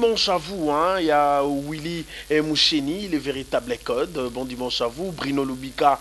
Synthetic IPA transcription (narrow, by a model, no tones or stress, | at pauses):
mɑ̃ʃavuɛ̃ijawiliɛmuʃeniːlɛveʁit̪ablɛkɔd̪bɔ̃d̪imɑ̃ʃavubʁinolubika